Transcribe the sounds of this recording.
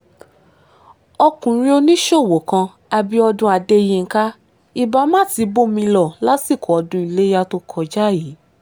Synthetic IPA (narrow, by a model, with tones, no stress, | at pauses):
ɔ˧kũ˨ɾĩ˧o˧nĩ˦ʃo˦˨wo˨˦kã˧ | a˧bi˦ɔ˧dũ˦a˧de˦˧˦jĩ˦˧ŋ̩˦ka˦ | i˦˨ba˧˦mã˦˨ti˧˦bo˦mĩ˧lɔ˦˨la˦si˦˨kʰɔ˨ɔ˧˦dũ˧˦i˨˧le˦ja˧to˦kʰɔ˧˨d͡ʒa˦˨ji˨˦